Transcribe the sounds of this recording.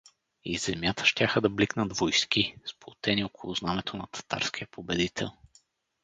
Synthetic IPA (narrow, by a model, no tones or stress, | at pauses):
izɛmjat̪ə̥ʃt̪ʲjaxəd̪ɐbliknɐd̪vojskisplˠot̪ɛniokʰʊlˠʊznamɛt̪ʰonɐt̪ʰɐ̥t̪a̰ɾsk̟iəpʰobɛd̪it̪ʰɛ̰lˠ